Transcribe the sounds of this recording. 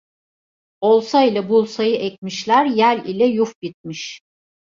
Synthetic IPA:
o̞lˠsailʲabulˠsajɯʔɛc̚miʃlʲæɾjælʲilʲɛjufbit̪̚miʃ

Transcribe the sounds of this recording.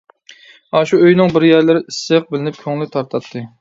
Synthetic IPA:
ɑʃuøjnɪŋbɪɾjæɾlɪɾɪʔisːɨq̚bɪlɪnɪp̚kʲʰøŋlɪt̪ʰɑɾt̪ʰɑt̪ʰːɨ

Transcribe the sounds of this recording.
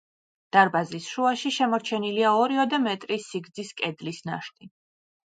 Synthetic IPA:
d̪̥aɾbazisʃuaʃiʃɛmɔɾt͡ʃʰɛniliaɔɾiɔd̪amɛt̪ʼɾisiɡd̪ziskʼɛd̪lisna̰ʃt̪ʼi

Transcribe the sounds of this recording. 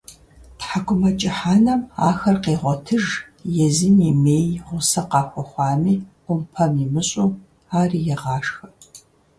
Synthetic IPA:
tħakʷʊmɐt͡ʃʼɪħaːnɐmaːxɐrqeːʁʷɔtʰɨʒ | jɛzɨnimeːjʁʷʊsɐqɑːxʷɔχʷɑːmiː | ʊmpʰɐmimɨɕʼuː | aːrijɛʁɑːʂxɐ

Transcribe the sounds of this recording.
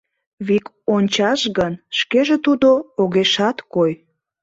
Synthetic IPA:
βik | onʲt͡ɕɑʃɣənʃkeʒet̪ud̪ooɣeʃɑt̪koj

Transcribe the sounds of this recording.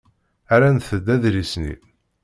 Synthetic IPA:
æɾænθəd̪ːæðɾisnḭ

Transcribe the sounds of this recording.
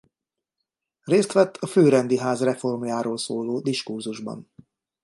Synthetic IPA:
reːst̪ʋɛt̪ːʰɒføːɾɛnd̪iɦaːzrɛfo̞rmjaːɾoːlsoːloːd̪iʃkurzuʒbɒ̰n

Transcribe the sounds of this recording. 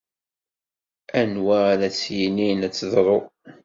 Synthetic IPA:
ænwaɾæt͡sːjininæt͡sːðˤɾˤo

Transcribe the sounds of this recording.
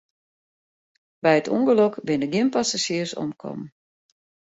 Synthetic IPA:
bɛjətʰṵŋɡəlɔkʋɪndəɡjɪmpasaʃiərsɔ̰mkʰɔ̰m

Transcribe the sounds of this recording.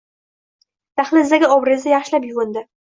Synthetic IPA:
t̪ʰaχlɪzd̪aɡʲɪɒbɾɪzd̪ajaχʃlapjʊʁʊnd̪ɪ

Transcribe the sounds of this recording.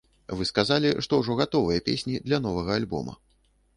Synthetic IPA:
vɨskazalʲiʂt̪ɔwʐɔɣat̪ɔvɨjɐpʲesʲnʲid̪lʲɐn̪ɔvɐɣɐalʲbɔ̰mɐ̰

